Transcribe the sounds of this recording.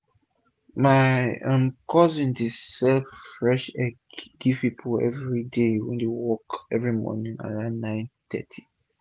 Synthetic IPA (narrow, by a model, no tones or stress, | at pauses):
maɪãmkʰɔzĩndesɛlfffɹɛʃɛ | ɡ̥iv̥pipʰəlɛ̰vɹidewɛ̰̃ndewɔkɛvɹimɔ̰nĩŋa̰danãɪ̃ntɛ̰tʰi̥